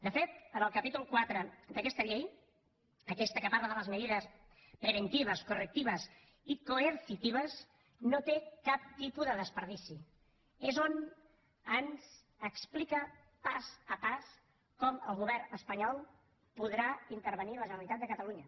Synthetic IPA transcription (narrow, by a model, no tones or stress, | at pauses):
d̪əfet̪̚ənəlˠkəpit̪ulˠkwat̪ɾəd̪əkɛst̪əʎej | əkɛst̪əkəpaɾləðələzməðiðəs | pɾəβənt̪iβ̞əskurək̚t̪iβ̞əs | ikoəɾsit̪iβ̞əz | not̪ekap̚t̪ipuðəðəspəɾð̞isi | ezon | anz | əksplikə | pazəpas | kɔməlˠɣuβɛɾnəspəɲɔlˠ | puðɾaint̪əɾβ̞əniləʒənəlit̪at̪̚d̪əkət̪əluɲə